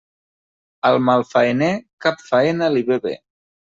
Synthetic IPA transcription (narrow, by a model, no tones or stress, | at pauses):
əlˠmalˠfaenekapfaenəliβeβḛ